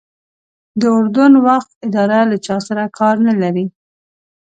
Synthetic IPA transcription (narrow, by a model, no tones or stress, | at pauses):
d̪əʊɾd̪ʊnwaxt̪̚ɪd̪ɑɾalat͡ʃɑsaɾakʰɑɾnalaɾi